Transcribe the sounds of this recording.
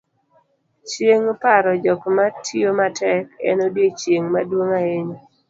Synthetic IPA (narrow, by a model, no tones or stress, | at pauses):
t͡ʃjeŋpaɾɔd͡ʒɔkmatʰiomatʰɛkɛ̰nodjet͡ʃjeŋmadwoŋaeɲo